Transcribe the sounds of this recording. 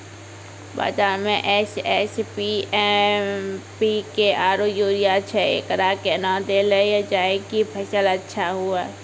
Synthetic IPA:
ba̰ːzaːɾmẽʔɛsɛːspiɛ | pikeaːɾojuːɾijaːt͡ʃʰɛḛːkəɾaːkenãd̪eːlejad͡ʒaːekipʰɐʃəlɐtːʃʰaɦua

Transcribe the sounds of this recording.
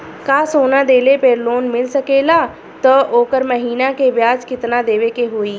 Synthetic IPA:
kaːsoːnãːd̪eːleːpeːɾloːnmɪlsəkeːlaː | t̪əʔoːkəɾməɦiːnãːkeːʋjaːd͡ʒkɪt̪naːd̪eːʋeːkeːɦoːiː

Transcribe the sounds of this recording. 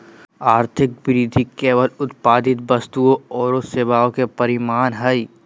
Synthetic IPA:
aːɾt̪ʰɪk̚bɪɾid̪ʱikeːʋəlʊt̪paːd̪ɪt̪̚bɐst̪uoɔːɾoseːʋaːõkepɐɾɪmaːnɦɐi

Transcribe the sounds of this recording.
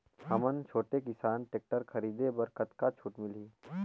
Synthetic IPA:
hɐmənt͡ʃʰoːʈekɪsaːnʈeːk̚ʈəɾkʰɐɾiːd̪ebəɾkət̪kat͡ʃʰuːʈmɪliː

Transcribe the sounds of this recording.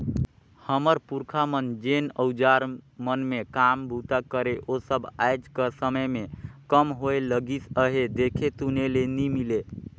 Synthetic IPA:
həməɾpuɾkʰamənd͡ʒenəwd͡ʒaɾmənmekambʱut̪akəɾeʔosəbajd͡ʒkəsəməjmekəmɦoeləɡisəɦed̪ekʰet̪unelenimile

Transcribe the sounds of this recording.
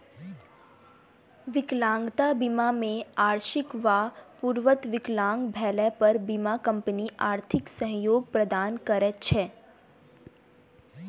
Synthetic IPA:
ʋɪklãːŋɡt̪abimamẽaːɾʃɪkʋapuɾʋət̪ʋɪklãːŋɡbʱɛːlɛpəɾbimakə̃mpəniʔaːɾt̪ʰɪksə̃ɦjoːɡ̚pɾəd̪aːnkəɾətt͡ʃʰɛː

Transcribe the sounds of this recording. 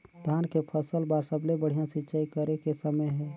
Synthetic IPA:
d̪ʱaːnkepʰəsəlbaɾsəblebəɽ̤ijãsɪtːt͡ʃaːikəɾekesəməjɦɛ̃ː

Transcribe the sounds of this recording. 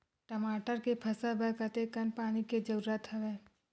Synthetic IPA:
ʈəmaːʈəɾkepʰɐsəbʱɐkət̪ekənpaːniked͡ʒəɾuɾət̪ʰɦɐʋeː

